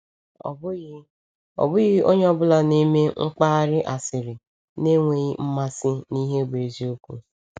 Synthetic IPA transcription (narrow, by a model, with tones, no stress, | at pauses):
ɔ̰˨bʊ˦ | ɔ̰˨bʊ˦ɣɪ˦o˦ɲe˦ɔ˦bʊ˦la˦ne˦me˦ŋ̩˦k͡pa˦ɾɪ˦ʔa˨sɪ˨ɾɪ˨ | ne˦ŋʷe˨ɣi˦m̩˦ma˦sɪ˦ni˦ɦe˦be˨zi˦o˦kʷu˨